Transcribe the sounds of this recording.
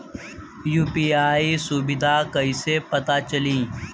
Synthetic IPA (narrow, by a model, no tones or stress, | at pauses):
juːpiːaːisʊbɪd̪ʱakɐisepɐt̪at͡ʃəlĩː